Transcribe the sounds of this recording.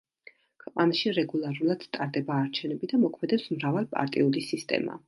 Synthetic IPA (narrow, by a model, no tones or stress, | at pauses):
kʰwɛqʼanaʃiɾɛɡulˠaɾulˠad̪̥t̪ʼaɾd̪ɛbaːɾt͡ʃʰɛnɛbid̪amɔkʰmɛd̪ɛpsmɾavalˠpʼa̰ɾt̪ʼiulisist̪ʼɛ̰ma̰